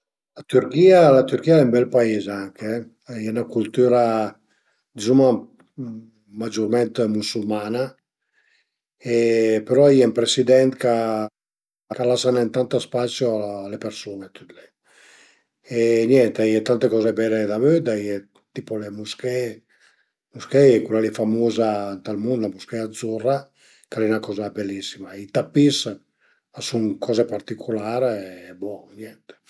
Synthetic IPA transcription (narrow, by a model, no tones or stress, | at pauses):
lat̪yɾkiːalat̪yɾkiːaɛmbɛlpaezaŋkeɛ | iɛnakult̪yːɾa | d̪izuma | mad͡ʒurmɛnt̪musulmana | epeɾɔajɛmpɾesid̪ɛnt̪ka | kalasanɛnt̪ant̪aspasjoalepersunet̪yt̪le | eɲjɛnt̪eiɛt̪ant̪ekɔzebɛled̪avød̪aiɛ | t̪ipolemuskɛ | muskɛɛkulalifamoːzant̪almund̪lamuskɛad̪zura | kalɛnakɔːzabelːisːimait̪apːis | asuŋkʰɔːzepaɾt̪ikʰulaːɾbɔnjɛnt̪e̥